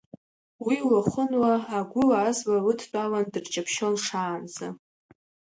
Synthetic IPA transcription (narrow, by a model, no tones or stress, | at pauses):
wiwaχʷʊnwaːɡʷʊlazwawɨtʰt͡pʼawandɨrt͡ʃʼapʰʃo̞nʂaːnza̰